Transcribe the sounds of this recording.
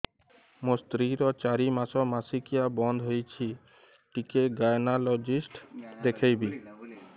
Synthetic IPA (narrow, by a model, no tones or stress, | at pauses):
mõst̪ɾiɾɔt͡ʃaɾimasɔmasikijabɔnd̪ʱɦojt͡ʃʰi | ʈikeɡajnalɔd͡ʒisʈd̪ekʰejbi